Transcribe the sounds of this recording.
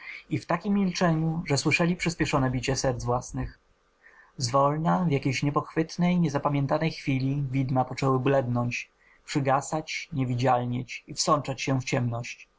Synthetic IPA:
ift̪akʲimːʲilt͡ʂɛɲuʐɛswɘʂɛlʲipʂɘspʲjɛʂɔnɛbʲit͡ɕɛsɛɾd̪zvwasnɘx | zvɔlnavʲjakʲejɕɲɛpɔxfɘt̪nɛjɲɛzapamʲjɛnt̪anɛjxfʲilʲivʲid̪mapɔt͡ʂɛwɘblɛd̪nɔɲt͡ɕ | pʂɘɡasat͡ɕɲevʲid͡ʑalɲɛt͡ɕifsɔnt͡ʂat͡ɕɕɛft͡ɕɛmnɔɕt͡ɕ

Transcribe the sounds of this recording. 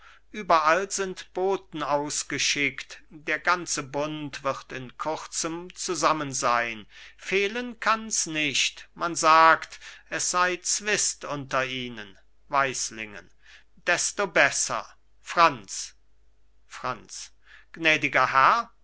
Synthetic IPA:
ʔyːbɐʔalzɪntb̥oːt̚n̩aʊsɡ̥əʃɪktd̥eːɐɡant͡səbʊntv̥ɪʁtɪnkʰʊʁt͡səmt͡suzamənzaɪnfeːlənkʰansnɪʃtmanzaːktʔɛsz̥aɪt͡sv̥ɪstʔʊntɐʔiːnən | vaɪslɪŋə̰n | d̥ɛstobɛsɐ̰ | fʁ̥ant͡s | fʁ̥ant͡s | ɡ̥nɛːdɪɡɐhɛɐ

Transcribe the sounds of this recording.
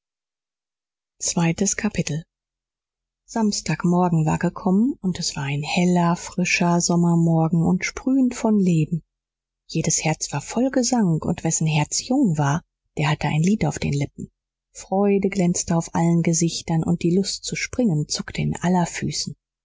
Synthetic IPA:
t͡sv̥aɪtəskʰapʰɪtl̩ | z̥amstaːkmɔɐɡŋ̩va̰ːɐɡəkʰɔmənʊntɛsv̥aːɐaɪnhɛlɐfʁ̥ɪʃɐzɔmɐmɔɐɡŋ̩ʊntʃpʁ̥yːəntfɔnleːbm̩ | jeːdəshɛɐt͡sv̥aːɐfɔlɡəzaŋkʊ̰ntv̥ɛsn̩ɦɛɐt͡sjʊŋvaːɐ | d̥eːɐhatəʔa̰ɪnliːtaʊfd̥ḛːnlɪp̚m̩ | fʁ̥ɔʏdəɡlɛnt͡stəaʊfʔalənɡəzɪçtɐnʊ̰nt̚d̥iːlʊstt͡suʃpʁ̥ɪŋənt͡sʊktʰəɪ̰nʔa̰lɐfyːsn̩

